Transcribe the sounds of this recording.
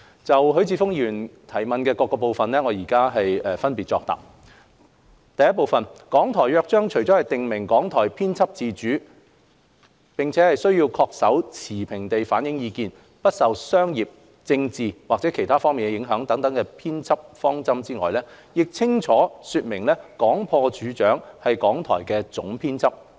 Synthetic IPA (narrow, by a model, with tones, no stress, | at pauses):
t͡sɐ˨wɦɵ˨˥ɥt͡sʰiː˧fʊ˥ŋjyː˨˩nt̪ʰɐ˨˩jmɐ˨nkɛː˧kɔː˧kːɔː˧po˨wfɐ˨nlɛ˥ŋɔː˨˧jiː˨˩kaː˥ɦɐ˨jɛ˨fɐ˥npiː˨t̚t͡ʃɔ̰ː˧k̚t̪a̰ː˨˩p̚ | t̪ɐ˨jɐ˥t̚po˨wfɐ˨nkɔː˨˥ŋt̪ʰɔː˨˩jœː˧k̚t͡ʃœː˥ŋt͡ʃʰɵ˨˩ɥt͡sɔː˨˥hɐ˨jt̪ɪ˨ŋmɪ˨˩ŋkɔː˨˥ŋt̪ʰɔː˨˩jpʰiː˥nt͡sʰɐ˥p̚t͡siː˧t͡ʃyː˨˥ | pɪ˨ŋt͡sʰɛː˨˦hɐ˨jsɵ˥ɥjiː˧wkʰɔː˧k̚sɐ˨˥wt͡sʰiː˨˩pʰɪ˨˩ŋt̪e˨jfaː˨˥njɪ˨˥ŋjiː˨˧kiː˧n | pɐ˥t̚sɐ˨wsœː˥ŋjiː˨p̚ | t͡sɪ˧ŋt͡siː˨waː˨k̚t͡sɛː˨˥kʰe˨˩jt̪ʰaː˥fɔː˥ŋmiː˨nkɛ˧jɪ˨˥ŋɦœː˨˥ŋt̪ɐ˨˥ŋt̪ɐ˨˥ŋkɛ˧pʰiː˥nt͡sʰɐ˥p̚fɔː˥ŋt͡sɐ˥mt͡siː˥ŋɔː˨˩jlɛː˥ | jɪ˨k̚t͡sʰɪ˥ŋt͡sʰɔː˨˥syː˧t̚mɪ˨˩ŋlɛː˥kɔː˨˥ŋpʰɔː˧t͡ʃyː˨˥t͡ʃœː˨˥ŋhɐ˨jkɔː˨˥ŋt̪ʰɔ̰ː˨˩jkɛː˧t͡sʊ̰˨˥ŋpʰiː˥nt͡sʰɐ˥p̚